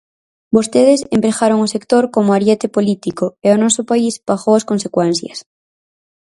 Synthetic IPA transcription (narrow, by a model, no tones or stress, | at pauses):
bost̪eðesempɾexaɾoŋosekt̪oɾkomoaɾjet̪epolit̪ikoeonɔsopaisbaxowɐskonsekwɛn̟θjɐs